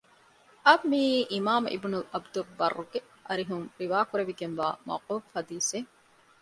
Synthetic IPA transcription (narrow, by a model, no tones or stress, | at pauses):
ʔɐbmiːʔimaːmḭbnulɐbd̪uɾbɐrːuɡe | ʔɐɾiɦuŋɾiʋaːkuɾeʋiɡenʋa̰ːmɐ̰wquːffɐd̪iːse